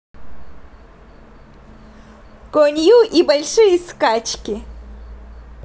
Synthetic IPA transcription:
konjuʔibəlʂɨjiskat͡ʃkʲi

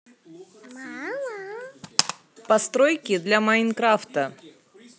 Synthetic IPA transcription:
pɐst̪ɾojkʲɪd̪lʲamajnkɾaft̪ə

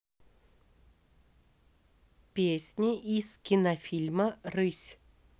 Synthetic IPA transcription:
pʲesʲnʲɪʔiz̥kʲɪnɐfʲilʲmərɨsʲ

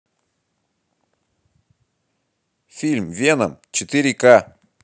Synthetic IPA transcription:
fʲilʲmvʲenə̰mt͡ɕɪt̪ɨɾʲɪka

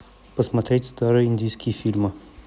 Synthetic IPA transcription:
pəsmɐt̪ɾʲetʲst̪aɾəind̪ʲijskʲifilʲmə

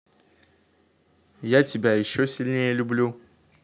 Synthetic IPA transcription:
jatibʲjajiʃɔsilʲnejelʲublʲu

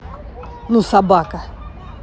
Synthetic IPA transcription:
nusabaka

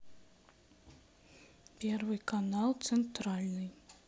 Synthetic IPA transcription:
pʲɛrvɨjkanalˠt̪sɛnt̪ɾalʲnɨj

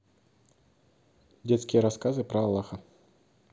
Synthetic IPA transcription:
dʲet̪skʲɪjəɾɐskazɨpɾɐːlˠːaxə

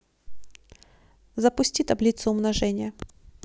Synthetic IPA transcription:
zəpʊsʲtʲit̪ɐblʲit̪sʊʊmnɐʐɛnʲɪjə

